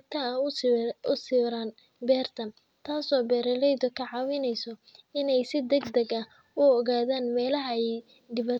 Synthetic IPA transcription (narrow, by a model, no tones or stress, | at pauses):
t̪ʰɐ | ʊsiːɾaːn | bɛːrt̪ʰɐ | t̪ʰaːsɔːbɛːɾɐlɛjd̪ʊkʰɐʕɑːwɪnɛjsɔ | ɪnɛjsɪd̪ɐɡd̪ɐɡɐ | ʊɔɣaːðaːnmɛːlɐɦɐɛj | d̪ɪβɐ